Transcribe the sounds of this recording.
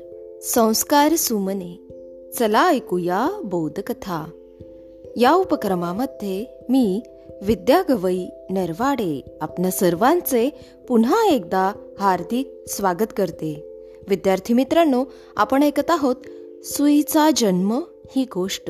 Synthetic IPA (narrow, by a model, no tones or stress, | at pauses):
sə̃w̃skaɾsuməne | t͡səlajkujabowd̪ʱkət̪ʰa | jaupəkɾəmaməd̪ʱje | miː | ʋid̪jaɡəʋəi | nəɾʋaɽeapnjasəɾʋãnt͡se | punaek̚d̪aɦaɾd̪ʱik̚sʋaɡət̪kəɾt̪e | ʋid̪jaɾt̪ʰimit̪ɾənːo | a̰pəɳekət̪aɦot̪ | suit͡sad͡ʑənmə | hiːɡʱoʂʈə